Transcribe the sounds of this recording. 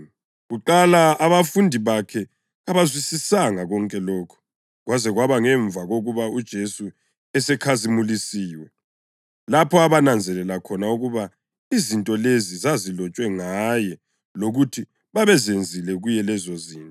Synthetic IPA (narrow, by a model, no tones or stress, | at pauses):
ɣuǃalaːβafundʱiβakʰɛ | aβazwisisaŋaɣɔŋkʼɛlɔːkʰɔ̥ | ɣwazɛɣwaβaŋɛɱvaɣoɣuβaud̥ʒ̥ʱesu | ɛsɛkʰazimulisiːwɛ | lapʰɔaβanand͡zʱɛlɛlakʰɔnauɣuβa | izintʼɔlezizazilɔt͡ʃʼwɛŋajɛ | loɣutʰi | βaβɛzend͡zʱilɛɣujɛlɛzɔziːntʼɔ